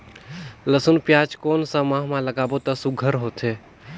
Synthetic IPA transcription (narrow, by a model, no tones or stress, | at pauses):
ləsunpjaːt͡ʃkoːnsə̃mãɦmãləɡaːbot̪əsuɡʱəɾɦoːt̪e